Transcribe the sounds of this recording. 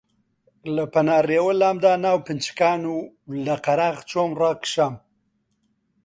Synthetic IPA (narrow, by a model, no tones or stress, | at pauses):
ləpɐnaːreːwəlaːmd̪aːnaːwpɨnt͡ʃkaːnu | lɐqɐɾaːχt͡ʃoːmraːkʃaːm